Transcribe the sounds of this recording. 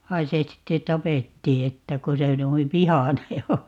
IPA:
ʋɑi se sitːe tɑpetːiː etːæ ko se nuiʋ ʋihɑne o

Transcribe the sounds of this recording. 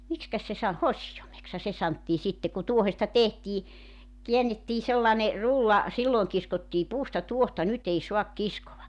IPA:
mikskæs se sɑ hosijomekshɑ se sɑntːiː sitːe ku tuohestɑ tehtiː kiænːetːiː selːɑne rulːɑ silːoeŋ kiskotːiː puːstɑ tuohtɑ nyt ei suɑk kiskoʋɑ

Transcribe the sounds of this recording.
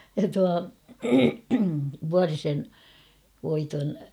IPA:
jɑ tuɑ ʋuɑrisen ʋoiton

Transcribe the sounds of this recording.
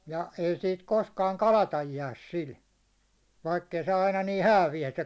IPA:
jɑ ei siːt koskɑːŋ kɑlɑtɑj jæːs sil ʋɑikː ei se ɑinɑ niː hæːʋijæ se

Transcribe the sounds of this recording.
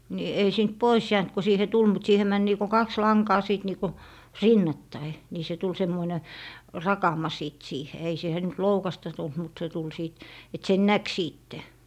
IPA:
ni ei siːnt pois jæːnt ko siːhe tul siːhe mæn niːko kɑks lɑŋkɑː siˑt niːku rinːɑtːɑi niː se tul semːoine rɑkɑmɑ siˑt siːhe ei siːhe nyt loukɑstɑ tult mut se tul siˑt et sen næk siːtːe

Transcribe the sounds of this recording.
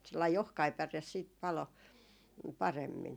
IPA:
selːɑi ohkɑi pæres siːt pɑlo pɑremːin

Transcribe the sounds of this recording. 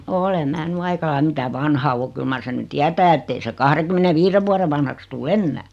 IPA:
ole mæː ny ɑikɑ lɑim mitæ ʋɑnhɑ o kyl mɑr sen ny tiætæː etːei se kɑhreŋ̆kymˑeneʋiːreʋ̆ ʋuɑre ʋɑnhɑks tuː enːæː

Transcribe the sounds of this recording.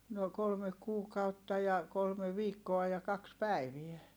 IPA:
no kolme kuːkɑutːɑ jɑ kolme ʋiːkːoɑ jɑ kɑks pæˑiʋiɛ

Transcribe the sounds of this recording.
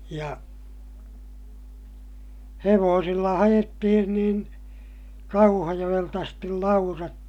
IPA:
jɑ heʋoːsilːɑ hɑj̆etːihin niːn kɑuhɑjoj̆elt ɑstil lɑurɑt

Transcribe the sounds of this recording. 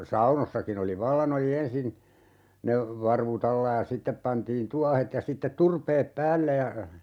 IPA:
sɑunosːɑkin oli ʋɑlːɑn oli ensin ne ʋɑrʋut ɑlːɑ jɑ sitːep pɑntiːn tuɑhet jɑ sitːet turpeːp pæːlːe jɑ

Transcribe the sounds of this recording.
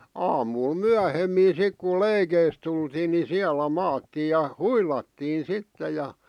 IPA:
ɑːmuːl myæhemːiː sik ku leikeis tultiːn ni siælæ mɑːtːiːj jɑ huilɑtːiːn̞ sitːe jɑ

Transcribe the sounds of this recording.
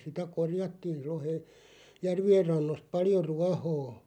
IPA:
sitæ korjɑtːiːr̆ rohe jærʋier rɑnːost pɑljo ruɑhoː

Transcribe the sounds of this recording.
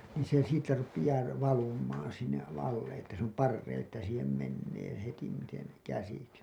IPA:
niːn̞ se siːtːæ rupijɑː r ʋɑlumˑɑːn̞ sinːeʔ ɑlːe etːæ s oˑm pɑrːeĩː etːæ siːhem menːeː hetimˑiten kæsiksi

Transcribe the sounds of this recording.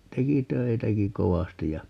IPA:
teki tøitæki koʋɑstij jɑ

